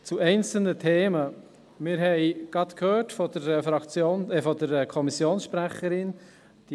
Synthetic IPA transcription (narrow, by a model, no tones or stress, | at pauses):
t͡suɛɪnt͡sl̩nətʰeːmə | mɪːɾɦɛɪɡ̥ɾɑt̪kʰhøːtfɔdəɾɛfɾɑkt͡sjoːnɛfɔdəɾɛkʰɔmisjoːnsʃpɾæχəɾɪn | d̥i